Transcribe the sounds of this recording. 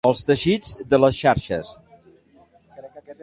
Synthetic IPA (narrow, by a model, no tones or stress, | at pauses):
əlˠst̪əʃid͡zd̪ələsʃaɾʃə̰s